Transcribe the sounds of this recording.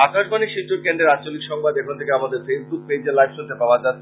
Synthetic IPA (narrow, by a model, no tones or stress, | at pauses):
akaʃbaniʃiʈoɾkeɳɖeɾad͡ʑt͡ɕolikʃɔŋbad̪ekʰont̪ʰekeamad̪eɾfesbuk̚ped͡ʑeɾlajbʃunt̪epaoad͡ʑat̪ʰːe